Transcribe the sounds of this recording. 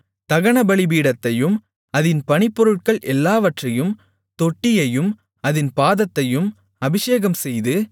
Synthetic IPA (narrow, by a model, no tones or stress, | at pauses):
t̪ɐɣɐɳɐbɐɭɪbiːɽɐt̪ːɐjɯm | ɐðɪnpɐɳɪpːɔɾɯʈ̚kɐɭʔɛlːaːʋɐʈrɐjɯm | t̪ɔʈːɪjɐjɯm | ɐðɪnpaːðɐt̪ːɐjɯm | ɐbɪʂeːɣɐmsɛjðɯ